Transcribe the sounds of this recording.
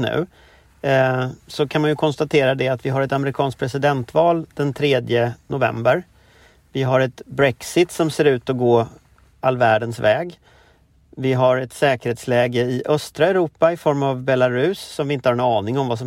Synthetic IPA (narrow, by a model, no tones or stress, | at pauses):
nʉ̟̰ː | sɔkʰanmanjɵkʰɔnst̪at̪ʰeːɾad̪ɛat̪vɪɦaɾɛt̪amɛɾɪkʰɑːnsk̚pʰɾɛsɪd̪ɛnt̪vɑːld̪̥ɛnt̪ʰɾeːd̪jənʊvɛ̰mbəɾ | vɪɦaɾɛt̪bɾɛksɪt̪sɔmseːɾʉ̟ːt̪ɔɡoː | alːvæːɖənsvɛːɡ | vɪɦaɾɛt̪sɛːkəɾheːt̪slɛːɡəɪʔœst̪ɾaɛɾuːpaɪfɔɾmavbɛlaɾʉ̟sːɔmvɪɪnt̪əhaɾɛnɑːnɪŋɔmvas̬ɔ